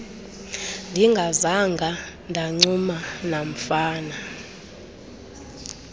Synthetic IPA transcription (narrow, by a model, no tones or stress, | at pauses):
ndʱiŋɡʱazaŋɡʱa | ndʱaŋ͡ǀumanam̩faːna